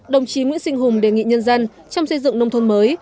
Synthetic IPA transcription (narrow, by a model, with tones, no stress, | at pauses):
ɗə˨˩wŋ͡mt͡ɕi˨˦ŋwḭ˧˥nsi˧ŋ̟ɦʊ˨˩ŋ͡mɗe˨˩ŋḭ˧˨ɲə˧nzə˧n | t͡ɕɔ˧wŋ͡msə˧jzɨ̰˧˨ŋnə˧wŋ͡mt̪ʰə˧nməː˨˦j